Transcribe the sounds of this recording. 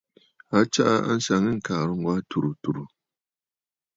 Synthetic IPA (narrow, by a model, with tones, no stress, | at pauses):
a˦t͡ʃa˦ʔa˦a̰˦n̩˦sa˨ŋɨ˦ŋ̩˦kaː˨ɾɨ˦ŋ˦ɡwa˦tu˨ɾu˨tu˨ɾu˨